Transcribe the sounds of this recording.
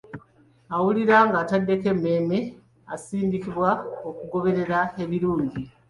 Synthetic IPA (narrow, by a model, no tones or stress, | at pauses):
awuliɾaːŋɡaːtadːe̞ke̞mːe̞ːme | asiːndikiβwaokuɡo̞βe̞ɾe̞ɾae̞βiɾuːɲɟi